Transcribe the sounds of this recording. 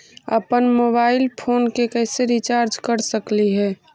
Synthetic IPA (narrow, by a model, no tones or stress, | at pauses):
ə̰pənmoːbaːɪlpʰoːnkekɛːseɾit͡ʃaːɾd͡ʒkəɾsəkliɦɛː